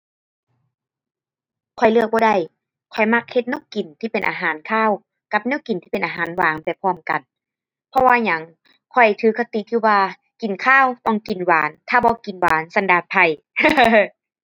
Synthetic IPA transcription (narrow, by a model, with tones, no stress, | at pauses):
kʰɔ˧˩jlɯ˧˩ək̚bɔː˧˦da˧˩j | kʰɔ˧˩jma˧k̚he˧t̪̚nɯ˧˥˨wki˨˩nt̪ʰiː˧˨pe˨nʔaː˨˧ɦaː˨˦nkʰaː˧˥˨w | ka˧p̚neː˧˥˨wki˨nt̪ʰiː˧pe˨nʔaː˨ɦaː˨˦nwaː˨˦ŋpa˨jpʰɔː˧˩˨mka˨n | pʰɔ˧waː˧ɲa˨˦ŋ | kʰɔ˧˩jt̪ʰɯː˧˦kʰa˧t̪i˧˨˦k̪ʰɯː˧˩waː˧ | ki˨˩nkʰaː˧˥˨wt̪ɔ˧˨ŋki˨nwaː˨˦nt̪ʰaː˧˩bɔː˧˦ki˨˩nwaː˨˦nsa˧˦ndaː˨˧˩t̪̚pʰa˧˩j